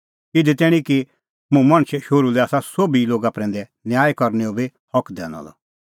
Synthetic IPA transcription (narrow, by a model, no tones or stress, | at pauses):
ɪd̪ɛt̪ɛːɽ̃iki | mũmɐ̃ɽ̃ʃʃoːɾulɛaːsasoːbiloːɡapɾɛ̃ːnd̪ɛ | njaːjkɔɾnɛobi | hɔkd̪ɛ̰ːnɔ̰̃lɔ̰